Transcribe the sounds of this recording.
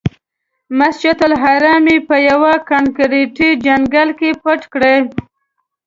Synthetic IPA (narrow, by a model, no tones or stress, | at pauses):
masd͡ʒɪt̪alɦaɾɑmipəjawakankɾeʈid͡ʒaŋɡalkepəʈkɽe